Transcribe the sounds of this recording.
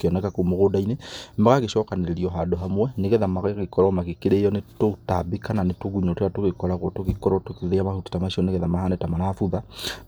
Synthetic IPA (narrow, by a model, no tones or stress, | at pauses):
keɔnɛkakomoɣodainemaɣaɣeʃɔːkaneɾeɾiɔɦadoɦamwɛneɣɛðamaɣeɣekɔɾɔmaɣekeɾeɔnetotabekananetoɣuɲoteatoɣekɔɾaɣotoɣekɔɾɔtokeðeamahute̥tamaʃiɔneɣɛðamaɦanetamanafuða